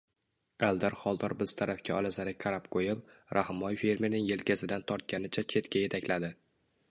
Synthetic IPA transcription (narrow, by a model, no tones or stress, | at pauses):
alˠd̪aɾχɒlˠd̪ɒɾbɪz̥t̪ʰaɾafkʲaɒlazaɾɪkʰaɾapqʰojɪp̚ɾʔahmɒjfe̞ɾmeɾnɪŋje̞lkʲazɪd̪ant̪ʰɒɾt̪̚kʲanɪt͡ʃʰat͡ʃʰe̞t̪kʲʰaje̞t̪ʰakʲlad̪ɪ